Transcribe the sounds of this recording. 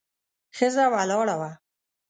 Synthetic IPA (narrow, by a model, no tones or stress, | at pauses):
xɪzawalɔːɽawa